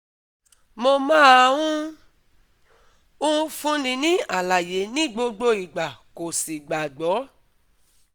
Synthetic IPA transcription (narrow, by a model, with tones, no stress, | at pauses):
mo˧mãː˦a˧wũ˦ | ũ˦fũ˦nĩ˧nĩ˦a˨la˨je˨˦nĩ˦ɡ͡bo˧ɡ͡bo˧i˨ɡ͡ba˨ko˨si˨ɡ͡ba˨ɡ͡bɔ˨˦